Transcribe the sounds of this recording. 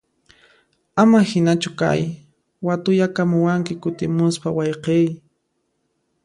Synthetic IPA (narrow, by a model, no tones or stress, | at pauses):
amahɪnat͡ʃʊka̰j | wat̪ʊʎakamʊwaŋkɪkʊt̪ɪmʊspawɑjqej